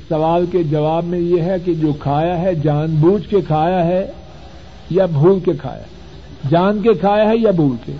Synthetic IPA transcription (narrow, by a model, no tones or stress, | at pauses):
sɐʋaːlked͡ʒɐʋaːbmẽjeɦɛk̬ed͡ʒoːkʰaːjaɦɛd͡ʒaːnbuːd͡ʒkekʰaːjaɦɛ | jabʱuːlkekʰa̰ːja̰ | d͡ʒaːnk̬ekʰaːjaɦɛjabʱuːlkḛ